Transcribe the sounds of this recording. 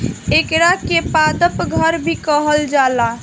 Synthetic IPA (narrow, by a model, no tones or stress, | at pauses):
ekɾakepad̪əpɡʱəɾbʱikəɦəld͡ʒala